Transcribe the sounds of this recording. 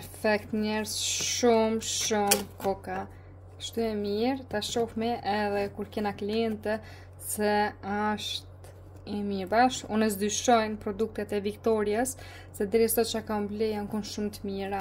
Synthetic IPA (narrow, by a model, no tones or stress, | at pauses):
ppɛɾfɛk̚t̪ɲɛɾsʃumʃumkɔka | kə̥ʃt̪uɛmiɾt̪aʃɔfmɛʔɛðɛkuɾkɛnakliɛnt̪ɛ | sɛaʃt̪ | ɛmiɾbaʃunəs̬d̪yʃɔjnpɾɔd̪uk̚t̪ɛt̪ɛvikt̪ɔɾjas | sɛd̪ɛɾisɔt͡ʃakamblɛjankunʃumt̪əmiɾa